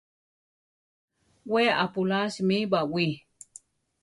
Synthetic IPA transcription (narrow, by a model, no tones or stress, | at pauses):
weapulasmibawi